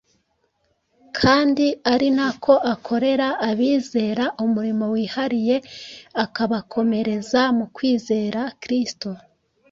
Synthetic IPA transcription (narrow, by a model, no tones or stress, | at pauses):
kʰaːndiaɾinakʰo̞ʔakʰo̞ɾe̞ɾaːβiːze̞ːɾaʔumuɾimo̞wiːhaɾije̞akaβakʰo̞me̞ɾe̞zamukwiːze̞ːɾakɾisto